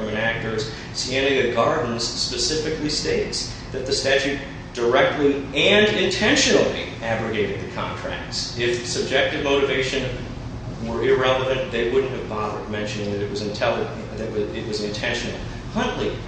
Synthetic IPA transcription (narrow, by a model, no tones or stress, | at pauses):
ʌ̃mɨ̃næk̚tə˞z̥ | sæ̃nɪ̃ŋɨɡɑɹdⁿn̩z̥spɨsɪfɨklisteɪts | ðɨt̪̚ðɨstæt͡ʃʉt̚ | d̥ə˞ɛk̚tʰˡliɨ̃nɪ̃ntʰɛ̃nʃɨnl̩ˠḭ | æɡɹɨɡeɪɾɨd̪̚ðɨkʰɑ̰̃ntʰɹ̥æ̰k̚tsɪfsɨb̚d͡ʒɛk̚tɨvmoʊɾɨveɪʃɨ̃n | wə˞ɪɹɛlˠəvɨ̃nðeɪwʊdⁿn̩t̚ɨvbɑðə˞d̚mɛ̃nʃɨ̃nɪŋ̃ŋðɨɾɨt̚wʌzɨ̃ntʰɛlˠə | ðɨt̚wʌɪʔ̚wʌzɨ̃ntʰɛ̃nʃɨnl̩ˠ | hʌ̃nʔli